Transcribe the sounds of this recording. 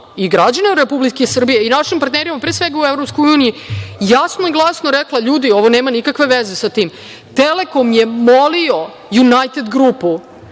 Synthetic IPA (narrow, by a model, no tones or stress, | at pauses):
iɡɾad͡ʑaneɾepublikesr̩bijeinaʃimpaɾt̪neːɾimapɾeːsʋeɡauevɾopskojuːnijijasnoiɡlˠasnoɾeklˠaʎuːd̪io̞ʋoneːmanikakʋe̞ʋezesat̪iːm | t̪elekomjemolio̞ | junajt̪ed̪ɡɾupu